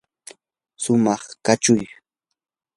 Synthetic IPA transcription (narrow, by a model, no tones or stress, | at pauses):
sʊmɑχkat͡ʃʊj